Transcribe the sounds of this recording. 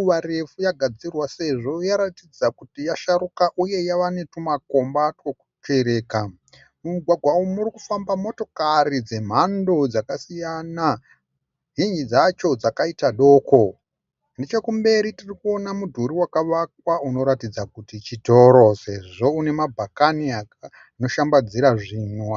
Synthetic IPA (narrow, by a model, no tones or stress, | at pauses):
ʋaɾe̞fujaɡʱad͡zirwase̞ʐo̞jaɾatid͡zakutijaʃaɾukaʔuje̞jaʋane̞tumako̞mbatwoku̥t͡ʃe̞ɾe̞ːka | mumuɡʱwaɡʱwaumurikufambamo̞to̞karid͡ze̞m̤ando̞d͡zakasijana | ɦiɲd͡ʒid͡zat͡ʃo̞d͡zakaitaɗo̞ːko̞ | ndet͡ʃekumbe̞ɾitirikuo̞namudʱuɾiwakaʋak̚wauno̞ɾatid͡zakutit͡ʃito̞ɾo̞se̞ʐo̞une̞mabʱakaniak | ano̞ʃambad͡ziɾaʐino